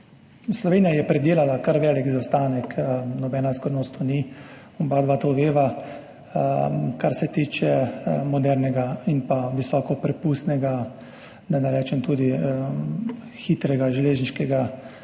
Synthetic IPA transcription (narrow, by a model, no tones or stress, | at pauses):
slɔʋeːnijajɛpɾɛd̪eːlalakaɾʋɛːlikzawst̪aːnɛknɔbɛːnaskɔɾnoːst̪ɔni | umbad̪ʋaːt̪oʋeːʋa | kaɾsɛt̪iːt͡ʃɛmɔd̪ɛɾnɛɡainpaʋisɔːkɔpɾɛpust̪nɛɡa | d̪anaɾɛːt͡ʃɛmt̪uːd̪i | xiːt̪ɾɛɡaʒɛleːʒniʃkɛɡa